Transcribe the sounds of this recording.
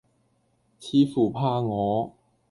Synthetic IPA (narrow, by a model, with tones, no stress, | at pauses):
t͡sʰiː˨˧fuː˨˩pʰaː˧ŋɔː˨˧